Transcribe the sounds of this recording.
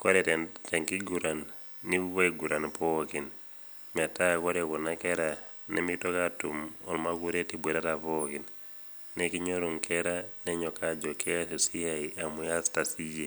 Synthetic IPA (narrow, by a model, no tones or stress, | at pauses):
koɾɛtɛteŋkiɡuɾanː | iuβaiɡuɾanpɔkin | matakoɾekunakeɾa | nḛmitokatumɔ̰lmakuɾetibweɾatapokin | nekiɲoɾuŋkʰeɾaneɲɔkad͡ʒɔkesesijaiʔamujastasije